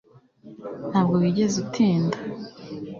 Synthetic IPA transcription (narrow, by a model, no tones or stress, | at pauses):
n̥haːb̚ɡoβiɟe̞zutʰiːnda